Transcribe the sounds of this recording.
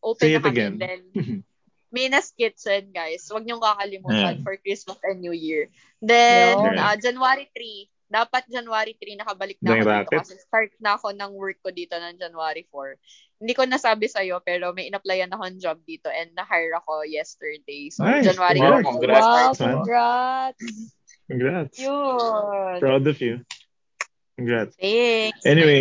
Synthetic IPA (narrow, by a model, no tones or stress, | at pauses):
ʔoːpeɪt̪ɐɡɛnd̪ɛn | mɛjnɐskɪt̪̚sɛnɡajswɐɡ̚ɲʊŋkɐkɐlɪmuːt̪anfɔɹkɹismɐsɛnjujiɹ | d̪ɛnɐd͡ʒɐnwaːɾit̪ɾi | d̪aːpɐt̪̚d͡ʒɐnwaːɾit̪ɾinɐkɐbɐlɪk̚nɐd̪ɐɾaːt̪oɪɐsɛst̪aɹt̪̚nɐːko̞nɐŋwɛɹkːod̪iːt̪o̞nɐŋd͡ʒɐnwaːɾifoɹ | hɪ̃nd̪iːkonɐsaːbɪsɐjo̞pɛːɾo̞mɐjʔɪnɐplɐjɐnɐko̞nɐŋd͡ʒab̚d̪iːt̪o̞ʔɛ̃nd̪̚nɐɦajɹɐko̞jɛst̪ɛ˞d̪ejsoad͡ʒɐnwaːɾiaɡɾasmanɹat̪s | ɡɹat̪ʊ | pɹawd̪ɔvju | ɡɹat̪ʔɛniwej